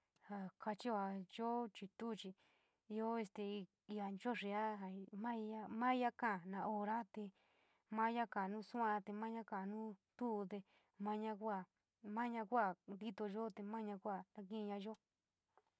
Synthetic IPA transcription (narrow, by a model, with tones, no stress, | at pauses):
ha˨ka˧t͡ʃi˦a˨ʒo˦t͡ʃi˧t̪u˦˨t͡ʃi˧ | i˧o˦e˧st̪e˧ | i˧a˧nt͡ʃo˦ʂi˧a˦ɦa˨mã˦i˧a˦mã˦i˦a˦kã˦˨nã˨˧ʔo˧ɾa˦t̪e˧ | mã˦ja˦kã˨nũː˦su˦ã˧t̪e˧mã˦ɲã˦kã˨nũː˦t̪u˦˧t̪e˧ | mã˧˦ɲã˧kʷa˦˨ | mã˦ɲã˧kʷa˦˨nd̪i˦t̪o˧ʒo˦t̪e˧mã˦ɲã˧kʷa˦˨nã˧k̬ĩ˦˧ɲã˧ʒo˦